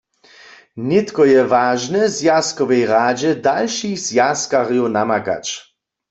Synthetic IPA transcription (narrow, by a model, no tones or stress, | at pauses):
nɪt̪kɔjɛvaːʒnɛzjaskɔʋɛjʁaːd͡ʒɛd̪alʃixz̥jaskaʁjonamaka̰t͡ʃ